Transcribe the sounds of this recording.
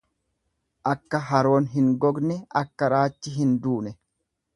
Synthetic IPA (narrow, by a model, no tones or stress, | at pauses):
ʔɐkːɐɦɐɾo̞ːnɦɪŋɡɔɡnɛɐkːɐɾaːt͡ʃːɪɦɪnd̪uːnɛ